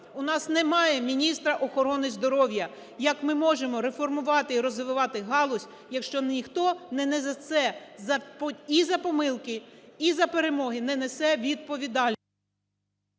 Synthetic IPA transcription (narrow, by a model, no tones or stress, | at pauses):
ʊnɑsnɛmɑjɛmʲinʲist̪ɾɐʔɔxɔɾɔnɪzd̪ɔɾɔwjɐ | jɐkmɪmɔʒemɔɾefɔrmʊʋɑt̪ɪiɾɔzʋɪʋɪʋɑt̪ɪɦɑlˠɔsʲ | jɐkʃt͡ʃɔnʲixt̪ɔnɛnɛzɐt̪sɛzɐpizɐpɔmɪlˠkɪizɐpeɾemɔɦɪnɛnesɛʋʲid̪̚pɔʋʲid̪ɑlʲ